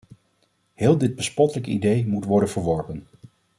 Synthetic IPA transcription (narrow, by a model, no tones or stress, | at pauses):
hɪːlˠdɪd̚bəspɔtələkḭdejmutʋɔɹdənv̥əɹʋɔɹpən